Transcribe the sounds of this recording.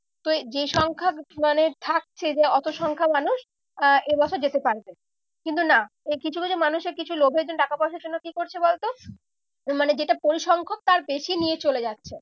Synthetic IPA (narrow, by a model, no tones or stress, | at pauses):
t̪od͡ʑeʃɔŋkʰamanet̪ʰak̚t͡ɕʰed͡ʑeɔt̪oʃɔŋkʰamanuʃ | ʔebɔt͡ɕʰoɾd͡ʑet̪epaɾbe | kint̪una | ekit͡ɕʰukit͡ɕʰumanuʃeɾkit͡ɕʰulobʱeɾed͡ʑonʈakapɔʃeɾd͡ʑonːokikoɾt͡ɕʰebɔlt̪o | maned͡ʑeʈapoɾiʃɔŋkʰok̚t̪aɾpeʃinijet͡ɕoled͡ʑatːɕʰe